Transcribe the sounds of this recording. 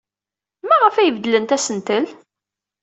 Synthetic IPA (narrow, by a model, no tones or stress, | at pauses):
mæʁəfæjəvd̪ələnt̪æsənt̪əl